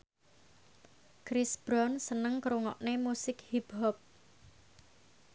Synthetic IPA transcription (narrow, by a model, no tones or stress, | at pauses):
kɾɪsb̥ɾɔnsənəŋkɾuŋɔ̰ʔnemusɪkhib̥ɦɔp̚